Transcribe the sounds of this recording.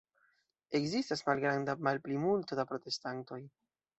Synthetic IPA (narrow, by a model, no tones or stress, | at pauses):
e̞kzistasmalɡɾandamalplimulto̞dapɾo̞te̞stanto̞j